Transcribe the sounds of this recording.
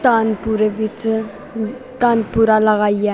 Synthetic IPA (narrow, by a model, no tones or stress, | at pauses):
t̪anpuɾeʋit͡s | t̪anpuɾalaɣajɛ